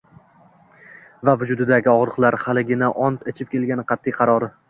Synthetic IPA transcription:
vavʊd͡ʒʊd̪ɪd̪aɡʲɪɒʁɾɨqlˠaɾhalɪɡʲɪnaʔɒnt̪ɪt͡ʃʰɪp̚kʲe̞lɡʲanɪqʰɑt̪ʰːijqʰɑɾɒɾɪ

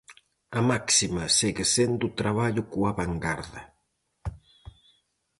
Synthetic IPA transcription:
ɐmaksimɐseɣesend̪ut̪ɾaβaʎʊkuaβaŋɡaɾðɐ

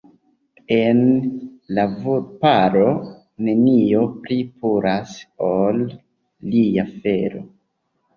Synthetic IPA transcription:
e̞nlavupaɾo̞ | ne̞nio̞pɾipuɾʔasolː | iafeɾo̞̰

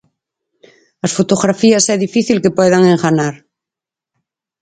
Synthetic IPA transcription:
asfot̪oɣɾafiasɛðifiθilkepwɛðaŋeŋxanaɾ

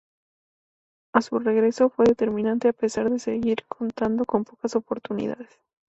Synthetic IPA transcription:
asure̞ɣɾe̞so̞fwe̞ðe̞t̪e̞ɾmĩnãnt̪eape̞saɾðe̞se̞ɣiɾkʰo̞nt̪and̪o̞ko̞mpo̞kaso̞po̞ɾt̪unḭða̰ðe̞s

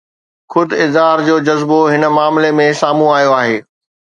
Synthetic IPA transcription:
xʊd̪ɪzɦaːɾd͡ʑoːd͡ʑɐzboɦɪnəmaːmlemẽsaːmũaːjoaːɦeː

